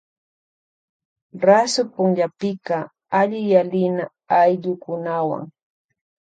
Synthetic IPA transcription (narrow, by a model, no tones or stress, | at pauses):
ɾasʊpʊŋʎapɪkɑ | aʎɪjalɪna | ajʎʊkʊnawa̰ŋ